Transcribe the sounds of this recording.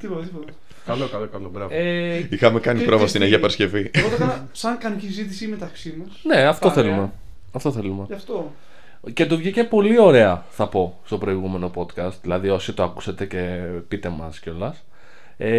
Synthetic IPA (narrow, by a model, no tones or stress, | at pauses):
t̪ipoɐðipot̪ɐ | kɐlokɐlokɐlobɾɐveixɐmekɐnipɾovɐst̪ineçiɐpɐɾsce̞fiɣot̪ɐ | sɐŋkɐncizit̪isimet̪ɐksimɐsne̞ɐft̪o̞θe̞lume | ɐft̪o̞θe̞lumeɐft̪o | ce̞t̪̬uvʝice̞po̞lio̞ɾe̞ɐθɐpo̞st̪o̞pɾo̞iɣume̞no̞po̞t̪kɐst̪ðilɐðio̞sit̪oɐku̥set̪e̞ce̞pit̪e̞mɐsceo̞lɐs | e